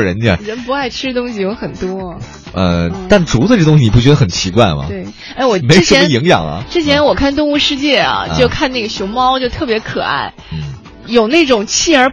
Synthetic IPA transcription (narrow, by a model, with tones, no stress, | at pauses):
ɻə˧˥n˥˧ə̰˨˩ɻə˧˥npu˧˥a˥˩ɪʈ͡ʂʰɻ̩˥˧t̪ʊ˥ŋɕi˨jo˧˥ʊxə˨˩nt̪wɔ˥˩ | ə̰˧t̪a˥˩nʈ͡ʂu˧˥t͡sə˧ʈ͡ʂɤ˥˩t̪ʊ˥ŋɕ̬i˩n˨˩p̬u˥˩t͡ɕɥɛ˧˥d̪ə˧xə˨˩nt͡ɕʰi˧˥kwa˥˩ɪmɐ̰˩twe˥˩ɪ | a˥˩wɔ˨˩me˧˥ɻʂə˧˥mə˧i˧˥ŋjɑ̰˨˩ŋɐ̰˦ʈ͡ʂɻ̩˥t͡ɕʰjɛ˧˥nwɔ˨˩kʰa˥˧nt̪̬ʊ˥˧ŋu˥˧ʂɻ̩˥˧t͡ɕjɛ˥˩ɐ̰˩jo˥˧ʊkʰa˥˧na˥˩ɡə˩ɕjʊ˧˥ʊmɑ˥ʊt͡ɕjo˥˧ʊt̪ʰɤ˥˩pjɛ˧˥kʰɤ̰˨˩a̰˥˩ɪ | n̩˥˩ | jo˨˩ʊne˥˩ɪʈ͡ʂʊ˨˩ŋt͡ɕʰi˥˩ə˞˧˥